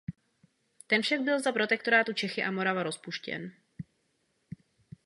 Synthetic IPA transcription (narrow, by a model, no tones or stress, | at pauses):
t̪ɛnfʃaɡbɪlzapɾo̞t̪ɛkt̪o̞ɾaːt̪ut͡ʃɛxɪʔamo̞ɾavaɾo̞spuʃcɛ̰n